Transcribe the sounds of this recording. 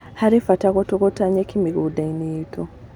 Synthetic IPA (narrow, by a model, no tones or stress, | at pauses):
haɾifatakotokotaɲekimiɡudaineitʰo